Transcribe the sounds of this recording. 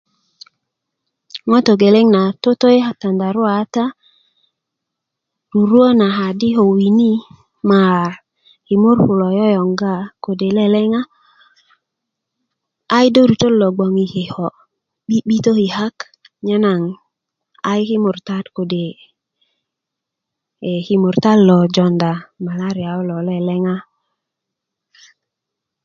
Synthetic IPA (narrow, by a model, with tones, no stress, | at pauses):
ŋo˦to˨ɡe˨le˦ŋna˨to˦to˦e˦ha˦ta˨nda˨ɾʊ˦a˨˦ta˦ | ɾu˨ɾwo˦na˨ɦa˨di˦ɦo˨wi˨ni˦ | ma˨ | ki˨mʊ˦ɾɸʊ˨lɔ˨jɔ˦jɔ˨ŋɡa˦ko˨de˨lɛ˦lɛ˦ŋa˦ | jdo˦ɾu˨t̪o˦lːɔ˨ɡ͡bɔ˨ŋi˨hi˨hɔ˨ | i˦ɓi˦t̪o˦hi˨ɦa˦k | ɲa˦na˨ŋ | a˦jki˦mu˨ɾta˦tko˨de˨ | hi˨mu˨ɾta˦lːɔ˨d͡ʒɔ˨nda˨ma˨la˦ɾi˨a˨o˦lɔ˨lɛ˦lɛ˦ŋa˦